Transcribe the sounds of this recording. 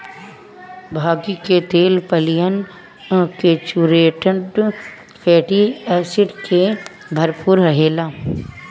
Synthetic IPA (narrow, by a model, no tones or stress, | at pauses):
bʱaːɡiket̪eːlpəlɪjən | keːt͡ʃuɾeːʈəɖ | pʰeːʈiɛːsɪʈke | bʱɐɾpʊɾɦɐɦeːlaː